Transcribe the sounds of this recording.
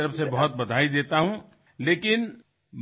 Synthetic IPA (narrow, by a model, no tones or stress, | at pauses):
əɾəfsebɐɦʊt̪̚bɐd̪ʱaːid̪eːt̪aɦũ | leːkɪn | m